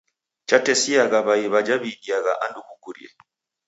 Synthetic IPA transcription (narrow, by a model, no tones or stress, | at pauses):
t͡ʃatɛsiaɣaβaiβad͡ʒaβidiaɣaʔandubukuɾḭɛ̰